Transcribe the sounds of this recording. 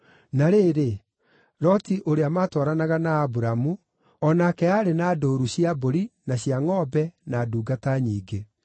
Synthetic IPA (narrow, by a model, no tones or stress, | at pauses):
naɾeɾe | ɾɔtiʔoɾeamaːtɔːɾanaɣanaːbuɾamu | ɔnakɛaɾenaːdoɾuɕiaboɾinaɕiaŋɔbɛnaduːɡataɲiːɡe